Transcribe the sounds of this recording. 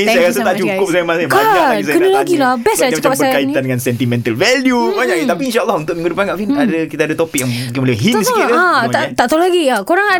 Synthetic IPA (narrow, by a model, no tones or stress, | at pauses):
isajaɾas̬ət̪aʔt͡ʃukkʊp̚sajamasɲaaaisakənəlaɡilabɛsaəapasbəakait̪andəŋansɛnt̪imɛ̃nt̪əlvɛljubaɲãkt̪apiːnʃaʔːlːɔhunt̪ʊʔnəŋɡədupankaʔfinadakit̪adat̪opɪk̚jaŋukɪŋbəliaɦidisikiat̪aʔt̪alaɡiakoɾaŋa